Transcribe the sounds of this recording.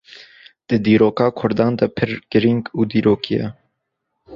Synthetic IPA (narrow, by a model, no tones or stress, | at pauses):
d̪̥ɨd̪iːɾoːkɑːkʰʊɾd̪ɑːnd̪ɐpʰɨɾɡ̥ɨɾiŋɡuːd̪iːɾoːkʰijɛ̰